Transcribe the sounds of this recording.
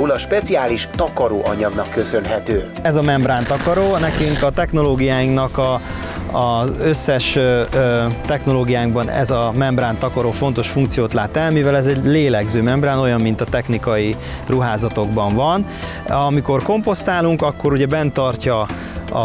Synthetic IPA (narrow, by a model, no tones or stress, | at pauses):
ulɒʃpɛt̪siaːliʃt̪ɒkɒɾo̰ːʔɒɲɒɡnɒkːø̞sø̞nɦɛt̪øː | ɛzɒmɛmbraːnt̪ɒkɒɾoːnɛkyŋkɒt̪ɛxno̞loːɡijaːjiŋknɒkɒ | zø̞sːɛʃ | t̪ɛxno̞loːɡijaːŋɡbɒnɛ̰zɒmɛmbraːnt̪ɒkɒɾoːfo̞nt̪o̞ʃfuŋkt̪sijoːt̪laːt̪ɛlmivɛlɛzɛɟleːlɛɡzøːmɛmbraːno̞jɒmːin̪t̪ɒt̪ɛxnikɒji | ruɦaːzɒt̪o̞ɡbɒɱvɒn | ɒmiko̞rko̞mpo̞st̪aːluŋkɒkːo̞ɾuɟɛbɛnt̪ɒrcɒ | ɒ̰